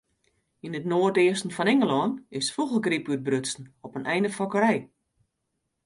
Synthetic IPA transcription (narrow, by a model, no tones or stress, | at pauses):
inətnoːərtɪəstn̩fɔnɛŋəlɔnɪsfuɣəɡripyt̚brøtsn̩ɔpənʔɛjndəfɔkəɾɛj